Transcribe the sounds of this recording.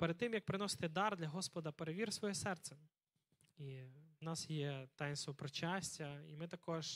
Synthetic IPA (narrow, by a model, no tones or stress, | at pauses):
peɾd̪̚t̪ːɪmjɐk̚pɾɪnɔsɪ̥t̪ɪd̪ɑrd̪lʲɐɦɔspɔd̪ɐpeɾeʋʲirsʋɔjɛsɛrt̪sɛ | iwnɑsjɛt̪ɑjnst̪ɔpɾɔt͡ʃasʲtʲɐḭmɪt̪ɐkɔʒ